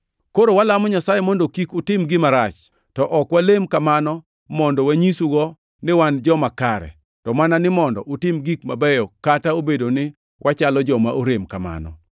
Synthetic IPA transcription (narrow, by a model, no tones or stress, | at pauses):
koɾowalamɔɲasajemɔndokikʊtɪmɡɪmaɾat͡ʃ | tɔʔɔkwalemkamanɔ | mɔndɔwaɲisuɡɔ | nɪwand͡ʒɔmakaɾɛ̰ | tɔmananɪmɔndɔ̰ʔotɪmɡikmabɛjɔkataobedonɪ | wʔat͡ʃalɔd͡ʒɔmaʔoɾemkama̰nɔ̰